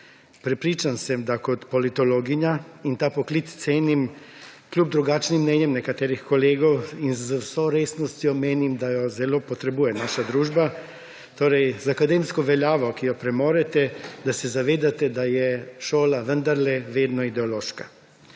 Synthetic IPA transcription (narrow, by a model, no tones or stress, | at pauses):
pɾɛpɾiːt͡ʃansɛmd̪akɔt̪polit̪oloːɡiɲaint̪aːpoklit̪st̪seːnimklʲuːb̚d̪ɾuɡaːt͡ʃnimːnɛːnjɛmnɛkat̪ɛːɾixkɔleːɡɔwinzwsoɾeːsnɔst̪jɔmeːnimd̪ajozɛloːpɔt̪ɾɛbuːjɛnaːʃad̪ɾuːʒba | t̪oːɾɛjzakad̪emskɔʋɛljaːʋɔkijɔpɾɛmoːɾɛt̪ɛd̪asɛzaʋeːd̪at̪ɛd̪ajɛʃoːlaʋənd̪aɾlɛʋeːd̪nɔid̪ɛoloːʃka